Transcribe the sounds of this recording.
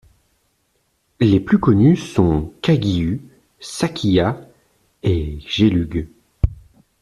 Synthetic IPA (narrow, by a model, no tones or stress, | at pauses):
leplykɔnysɔ̃kaɡʲiy | sakʲʰija | eʒelyɡ